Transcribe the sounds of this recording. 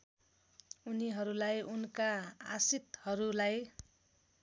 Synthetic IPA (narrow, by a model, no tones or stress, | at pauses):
uniɦʌɾulajunkaa̰sit̪hʌɾulaj